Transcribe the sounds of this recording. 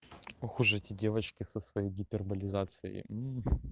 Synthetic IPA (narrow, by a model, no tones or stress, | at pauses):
ɐxuʐɨtʲɪdʲevət͡ɕkʲɪsəsvɐjejɡʲɪpʲɪrbɐlʲɪzat̪sɨjɪ̰m̩